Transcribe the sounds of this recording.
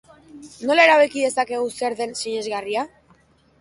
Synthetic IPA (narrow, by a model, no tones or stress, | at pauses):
no̞laeɾaβekiðe̞sake̞ɣuseɾðe̞nsiɲe̞zɣaria